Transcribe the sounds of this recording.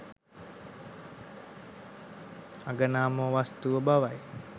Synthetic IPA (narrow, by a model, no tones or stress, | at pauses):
aɡənaːməʋast̪uʋəbaʋaj